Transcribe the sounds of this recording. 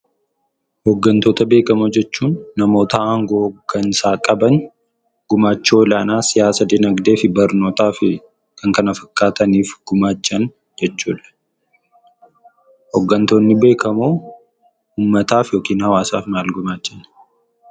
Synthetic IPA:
hɔɡːɐnt̪oːt̪ɐbe̞ːkɐmud͡ʒɛt͡ʃːuːnːɐmo̞ːt̪ɐʔɐŋɡo̞ːkɐnsaːkʼɐbɐn | ɡ̥ʊmaːt͡ʃːo̞ːlaːnaːsɪjaːsɐd̪ɪnɐɡd̪e̞ːfɪbɐɾno̞ːt̪aːfɪ | kʰɐŋkɐnɐfɐ̥kʼːaːt̪ɐniːfɡ̥ʊmaːt͡ʃːɐn | d͡ʒɛt͡ʃːuːᶑɐ̥ | hɔɡːɐnt̪o̞ːnːɪbe̞ːkɐmoː | uːmːɐt̪aːfjo̞ːkiːnhɐwaːsa̰ːfmaːlɡʊmaːt͡ʃːɐn

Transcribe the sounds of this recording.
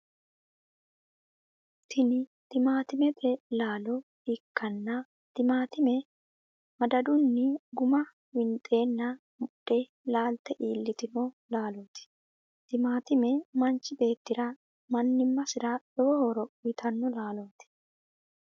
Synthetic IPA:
t̪ʰɪnɪt̪ɪmaːt̪ɪmɛt̪ʰʼɛlaːlɔ | ɪkːɐnːɐ | t̪ɪmaːt̪ɪmɛ | mɐd̪ɐd̪ʊnːɪɡʊmɐ | wɪnt̪ʼe̞ːnːɐ | mʊɗːɛ | laːlt̪ɛʔiːlːɪt̪ɪno | laːloːt̪ɪ̥ | t̪ɪmaːt̪ɪmɛmɐnt͡ʃːɪbe̞ːt̪ːɪɾɐ | mɐnːɪmːɐsɪɾɐᶑɔwɔhɔɾɔwɪt̪ʰɐnːɔlaːloːt̪ɪ̥

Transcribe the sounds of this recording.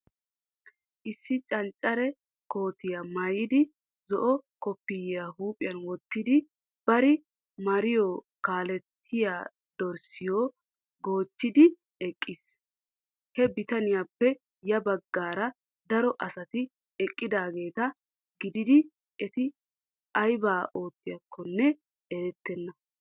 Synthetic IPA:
ʔɪsːɪt͡ʃʼɐnt͡ʃʼːɐɾɛ | ko̞ːt̪ɪjamajɪd̪ɪ | zɔʔɔkɔpːɪjjaːhuːpʼɪjɐnwɔt̪ːɪd̪ɪ | b̥ɐɾɪ | mɐɾɪjɔ | kaːlɛt̪ʰːɪjaː | d̪̥ɔɾsɪjoː | ɡo̞ːt͡ʃːɪd̪ɪ | ɛkʼːɪs | hɛbɪt̪ɐnɪjapːɛ | jɐbɐɡːaːɾɐ | d̪ɐɾɔʔɐsɐt̪ɪ | ɛkʼːɪd̪aːɡe̞ːt̪ɐ | ɡɪd̪ɪd̪ɪ | ɛt̪ɪ | ɐjbaːʔo̞ːt̪ːɪjɐkʰːɔnːɛ | ɛɾɛt̪ːɛnːɐ

